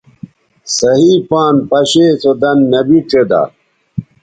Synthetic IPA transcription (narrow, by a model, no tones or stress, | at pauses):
sɐɦiːpaːnpɐɕeːt͡sod̪ɐnːɐbiʈ͡ʂʰed̪a̰ː